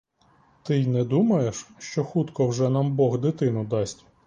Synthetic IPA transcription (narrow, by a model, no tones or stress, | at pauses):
t̪ɪjnɛd̪umɐjeʃʃt͡ʃɔxut̪kɔwʒɛnɑmbɔɣd̪ɪt̪ɪnʊd̪ɑsʲtʲ